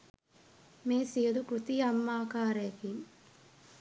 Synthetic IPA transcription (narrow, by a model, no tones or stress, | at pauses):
meːsijɐd̪ukɾut̪ijɐmːaːkaːɾɐjɐkin